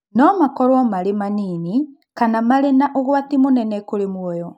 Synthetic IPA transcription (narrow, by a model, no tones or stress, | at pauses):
nɔmakɔɾwɔmaɾemaniːni | kanamaɾenaʔoɣwatimonɛnɛkoɾemwɔjɔ